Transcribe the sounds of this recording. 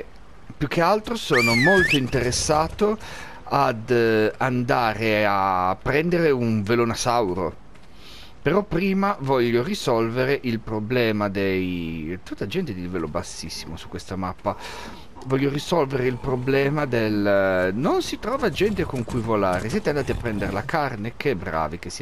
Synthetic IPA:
pjuk̟ːealt̪ɾosoːnomolt̪oint̪eɾesːaːt̪o | ad̪and̪aːɾeapːɾɛnd̪eɾeuɱvelonasawɾo̰ | peɾɔpːɾiːmavɔʎːorisɔlveɾeʔilpɾoblɛːmad̪ejt̪ut̪ːad͡ʒɛnt̪ed̪ilvɛlobasːisːimosu̥kːwest̪amapːa | vɔʎːorisɔlveɾeilpɾoblɛːmad̪elnonsit̪ɾɔːvad͡ʒɛnt̪ekoŋkujvolaːɾesiɛːt̪eand̪aːt̪iapːɾɛnd̪eɾelakarnekeɛbɾa̰ːvik̟es

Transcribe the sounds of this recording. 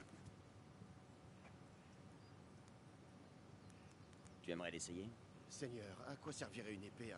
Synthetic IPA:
t̪yɛmʁɛlesɛje | sɛɲœːʁakwasɛʁviʁɛynepe

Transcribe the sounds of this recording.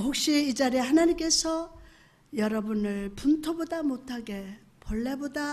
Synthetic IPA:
ɸok̚ɕ͈iid͡ʑaɾehanaɲimk͈e̞sʰʌ | jʌɾʌbunɯɭpuntʰobodamotʰaɡe̞ | pʌɭːe̞boda

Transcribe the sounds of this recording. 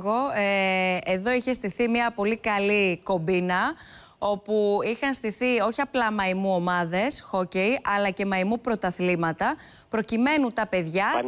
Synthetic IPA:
ɣo̞eeðo̞içe̞st̪iθimiɐpo̞likɐliko̞mbinɐ | o̞puixɐnst̪iθio̞çiɐplɐmɐimuo̞mɐðe̞sxocejʔɐlɐce̞mɐimupɾo̞t̪ɐθlimɐt̪ɐ | pɾo̞cime̞nut̪ɐpe̞ðʝɐ

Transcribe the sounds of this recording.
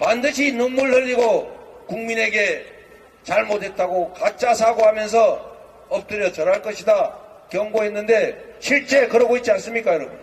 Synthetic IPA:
pandɯɕʰinonmːuɭhɯʎːiɡokuŋmine̞ɡe̞ | t͡ɕaɭmodʰe̞t̚t͈aɡokat͡ɕ͈as̬ʰaɡoɦamjʌns̬ʰʌ | ʌp̚t͈ɯɾjʌt͡ɕʌɾɦaɭk͈ʌɕʰida | kjʌŋɡoɦe̞nːɯnde̞ɕʰiɭt͡ɕ͈e̞kɯɾʌɡoit̚t͡ɕians͈ɯmɲik͈ajʌɾʌbun

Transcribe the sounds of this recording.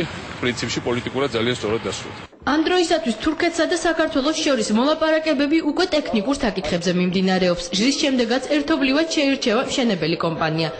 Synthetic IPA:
pʼɾint̪sʰipʃipʼɔlit̪ʼikʼuɾad̪d̪zalianst̪ʼɔɾad̪̚ːasɾṵld̪ | amd̪ɾɔisat̪ʰwist̪ʰuɾkʰɛt̪ʰsad̪asakaɾt̪ʰwɛlˠɔsʃɔɾismɔlˠapʼaɾakʼɛbɛbiukʼwɛt̪ʼɛkʰnikʼuɾsakʼit̪ʰχɛbzɛmimd̪inaɾɛɔpsʒɾisʃɛmd̪ɛɡat̪sʰɛɾt̪ʰɔblivad̪̥ʃɛiɾt͡ʃʰɛvamʃɛnɛbɛlikʼɔmpʼania

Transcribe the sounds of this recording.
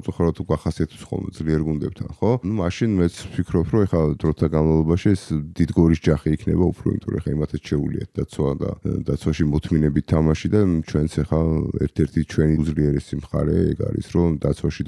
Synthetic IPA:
msʼuχaɾɔd̪ʰukʰaχasiat̪ʰɛ̥psχɔ̰lˠmɛ̰d̪zliɛɾɡund̪ɛb̚t̪ʰanχɔnumaʃinmɛt̪sʰpʰikʰɾɔpʰɾɔɛχad̪ɾɔt̪ʰaɡanmavlˠɔbaʃiɛsd̪id̪ɡɔɾisd͡ʒaχiːkʰnɛ̰baupʰɾɔ̰ḭmit̪ʼɔɾɔɛχaimat̪ʰɛt͡ʃʰɛulḭa̰t̪̚d̪at̪sʰwad̪a̰d̪at̪sʰwaʃimɔt̪ʰminɛbitt̪ʰːamaʃid̪at͡ʃʰwɛnt̪sʰɛχaɛ̰ɾt̪ʰɛɾt̪ʰit͡ʃʰwɛnizliɛɾɛsimχa̰ɾɛ̰ɛ̰ɡa̰ɾḭsɾɔd̪at̪sʰwaʃid

